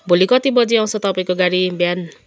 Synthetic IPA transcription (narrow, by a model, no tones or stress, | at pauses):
bʱolikʌt̪ibʌd͡ziʌ̃w̃sʌt̪ʌpaĩkoɡaɾibjan